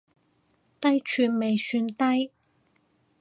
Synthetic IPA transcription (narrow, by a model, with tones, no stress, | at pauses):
t̪ɐ˥jt͡ʃʰyː˨˧nme˨jsyː˧nt̪ɐ˥j